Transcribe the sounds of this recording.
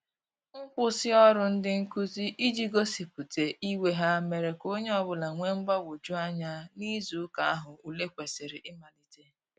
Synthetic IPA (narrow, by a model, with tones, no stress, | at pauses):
ŋ̩˦k͡pʊ˦sɪ˦ɔ˦ɾʊ˨n̩˦dɪ˦ŋ̩˦ku˦zi˦ʔi˦d͡ʒi˦ɡo˦si˨pu˨te˨ʔi˦we˦ɦa˦me˨ɾe˨ko˦ɲe˦ɔ˨bʊ˦la˨ŋʷe˦ŋ͡m̩˦ɡ͡ba˦ɡo˨d͡ʒu˦a˦ɲa˦ni˦zu˨˦ka˨a˦ɦʊ˨u˨le˦kʷe˨sɪ˨ɾɪ˨ʔɪ˦ma˨li˨te˦